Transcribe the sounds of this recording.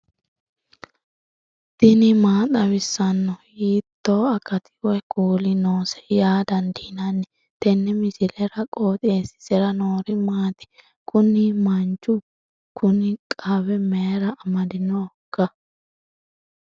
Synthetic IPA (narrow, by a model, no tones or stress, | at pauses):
d̪̥ɪnɪmaːt̪ʼɐwɪsːɐnːɔjiːt̪ːoːɐkːɐt̪ɪ̥wɔkʰuːlɪnoːsɛ̥jaːd̪ɐnd̪ɪnɐnːɛ | t̪ɛnːɛmɪsɪlɛɾɐkʼoːt̪ʼeːsɪ̥sɛɾɐnoːɾɪmaːt̪ɪ̥ | kʊnɪmɐnd͡ʒʊ | kʰʊnɪkʼaːwɛmeɾɐːmɐd̪ɪnoːkːɐ